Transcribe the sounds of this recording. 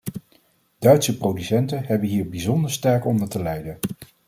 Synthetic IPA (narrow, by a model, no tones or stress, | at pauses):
d̥œɥtsəprowdysɛntənɦɛbənɦiːɹbizɔndəɹstɛɹkɔndəɹtəlɛjdən